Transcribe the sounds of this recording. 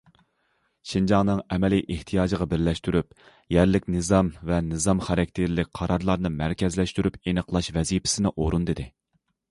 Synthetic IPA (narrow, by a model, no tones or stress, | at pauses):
ʃind͡ʒɑŋnɨŋɛmɛlijʔeht̪ʰijɑːd͡ʒɨʁɑbɪɾlɛʃt̪yɾyp̚ | jɛɾlɪkʲnɨzɑmvɛnɨzɑmχɑɾɛk̚ʲt̪ʰɪɾlɪk̚ʲqʰɑɾɑɾlˠɑɾnɨmæɾkʲʰɛzlɛʃt̪yɾypenəqlˠɑʃvɛzipʰɪ̥sɪnɪʔoɾund̪ɨd̪ɪ